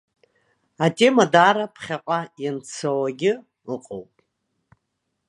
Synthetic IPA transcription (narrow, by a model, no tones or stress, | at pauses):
atʼe̞madaːɾapʰχʲaqʷʼajant͡sʰawaɡʲɪ | əqʼowpʼ